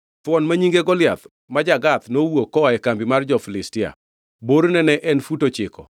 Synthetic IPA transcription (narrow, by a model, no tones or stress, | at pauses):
t̪wɔnmaɲiŋɡeɡɔlɪjat̪ | mad͡ʒaɡat̪nowokːɔɛkambimard͡ʒɔflɪstɪa̰ | boɾnɛnɛʔɛnfutot͡ʃɪkɔ̰